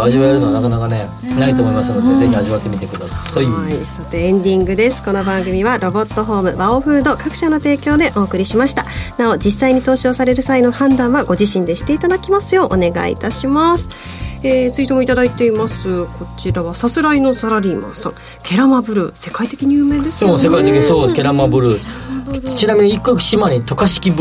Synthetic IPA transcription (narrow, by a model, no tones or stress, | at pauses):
aʑiβaaɾɯnoanakanakane̞ | nait̪oːmoimasanod̪eze̞çiaʑiβat̪ːe̞mʲit̪ekɯ̟d̪asaisot̪e̞ẽnd̪ʲĩŋɡɯ̟d̪e̞sɨ̥ko̞no̞bãŋɡɯ̟mʲiβaɾo̞bo̞t̪ːo̞ɦo̞ːmɯ̟baoɸɯ̟ːd̪o̞kakɯ̟̥ɕano̞t̪e̞ːkʲo̞ːd̪e̞ʔo̞ːkɯ̟ɾʲiɕimaɕi̥t̪anao̞d͡ʑisːaiɲ̟it̪o̞ːɕo̞ːsaɾe̞ɾɯ̟saino̞hãnd̪ãɰ̃βaɡo̞ʑiɕĩnd̪e̞ɕi̥t̪e̞it̪ad̪akʲimasɨjo̞ːʔone̞ɡa̰ḭt̪aɕimasɨ̥ | eːt͡sɨit̪e̞moit̪ad̪ait̪e̞imasɨkʰo̞t͡ɕiɾaβasasɨɾaino̞saɾaɾʲiːmã̰sã̰ŋ | kʰʲe̞ɾamabɯ̟ɾɯ̟̰se̞kait̪e̞kʲiɲɯːmẽ̞ːnd̪esoːsekait̪ekʲiɲisoːd̪eske̞ɾamabɯ̟ɾɯ | t͡ɕinamʲiɲiikːo̥ɕimaɾʲit̪o̞kaɕi̥kʲib